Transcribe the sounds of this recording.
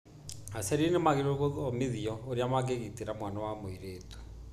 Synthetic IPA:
asɛɾinemaɣeɾoɣoɔmeðiɔoɾjamak̬eɣiteɾamwanawamoiɾeːtu̥

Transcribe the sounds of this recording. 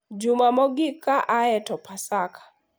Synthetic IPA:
d͡ʒumamɔɡikaʔaɛtɔpʰasakʰḁ

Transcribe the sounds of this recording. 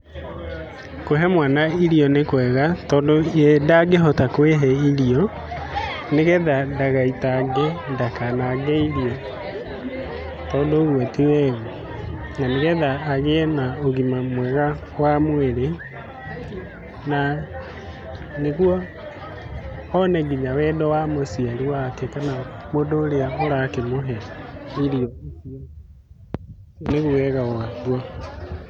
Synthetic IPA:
koɦɛmwanaiɾiɔnekwɛɣatɔːndoɛdaɡeɦɔtakweɦɛiɾiɔ | neɣɛðadaɣaitaɡɛndakanaɡɛiɾiɔ | tɔːndoɣwɔtiwɛɣɔ | naneɣɛðaːɣeɛnaoɣimamwɛɣa | wamweɾe | na | neɣwɔ | nɛɡiɲawɛːdɔwamosialiwakɛkanamodoːɾeaoɾakemoɦɛiɾiɔs | neɣuwɛɣaɣwaðwa

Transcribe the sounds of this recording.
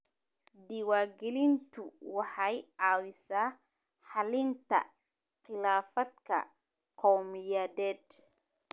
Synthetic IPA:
d̪iwaːɡɛlɪnt̪ʰʊwɑħɑjʕɑːwɪsaː | ħɑlɪnt̪ʰɐ̰ | qɪlaːfɐd̪kʰɐ̰ | qʰɔwmɪjaːdɛːd̪̚

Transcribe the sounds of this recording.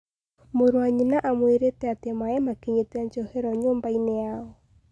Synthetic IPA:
moɾwaɲinaʔamweɾetɛatemaɛmakeɲeteaɲt͡ʃɔheɾɔɲoːmbaineaɔ

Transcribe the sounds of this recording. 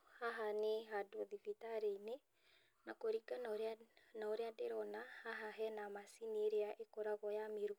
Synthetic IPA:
haɦaneɦadoðifitaɾeine | nakoɾiɡanɾnaoɾeadeɾɔnahaɦaɦɛnamasineeɾeaʔekoɾaβɔjameɾu

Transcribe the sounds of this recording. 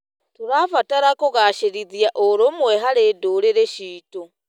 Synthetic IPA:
tuɾafataɾakoɣaʃeɾiðjaʔoɾomwɛɦaɾedoːɾeɾeʃiːto

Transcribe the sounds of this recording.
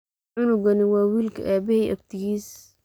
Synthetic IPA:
ɪnʊɡɐnɪwɑːwiːlkʰɐ̰ʔaːbɪhɛjʔɐ̰b̚t̪ʰɪɣiːs

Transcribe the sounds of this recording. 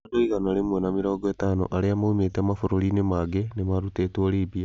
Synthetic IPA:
doiɣanaɾemwɔnameɾɔːɡɔetaːno̰ʔaɾeamaumeteamafoɾoɾinemaɡenemaɾutetwoɾiːβia

